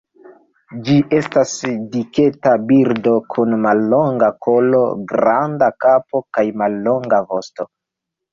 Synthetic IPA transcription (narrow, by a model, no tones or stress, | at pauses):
d͡ʒiʔe̞stasdike̞tabiɾdo̞kʰunmalːo̞ŋɡako̞lo̞̰ɡɾandakapo̞kajmalːo̞ŋɡavo̞sto̞